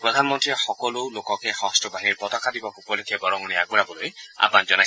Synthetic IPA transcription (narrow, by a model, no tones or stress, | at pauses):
pɹɔd̪ʱanmɔntɹiexɔkɔlolokɔkexɔɦɔstɔbaɦiɹpɔt̪ɔkʰːadibɔkupɔlekʰɛbɔɾɔŋɔniaɡ̚uɹabɔloja̰panzɔna